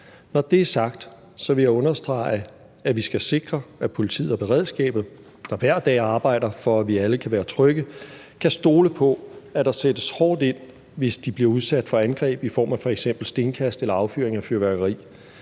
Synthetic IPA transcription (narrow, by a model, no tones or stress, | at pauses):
nɒd̥e̝æɐsɑ̈ɡ̥̚d̥ | sɒ̽ʋe̝jæɔ̽nɐsd̥ʁɑ̈ɪə | æʋisɡ̥æse̝ɡ̥ʁɐæpʰo̝lit͡sʰḭːð̩ˠɐb̥e̝ʁɛðˠsɡ̥ɛ̰ːb̥ð̩ˠ | d̥ɑ̈ʋæɐ̰d̥ɛ̰ːɑ̈ːb̥ɑ̈ɪ̰d̥ɐfɒ̽æʋiæləkʰæʋæːɐt͡sʰʁœɡ̥ə | kʰæsd̥o̝ːləpʰɒ̽æd̥ɑ̈sed̥əshɒːd̥e̝n̰ | ʋe̝sd̥ib̥liɐuð̞ˠsæd̥fɒ̽ænɡ̥ʁɛ̰ːb̥ifɒ̰ːmæfɒ̽eɡ̥sem̰b̥l̩sd̥e̝ːnkʰæsd̥elɐɑ̈ʊfyɐ̰eŋæfyɐʋæɐɡ̥ɐʁḭː